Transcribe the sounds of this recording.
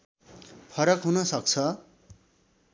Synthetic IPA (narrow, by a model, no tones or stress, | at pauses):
pʰʌɾʌkɦunʌsʌk̚t͡sʰʌ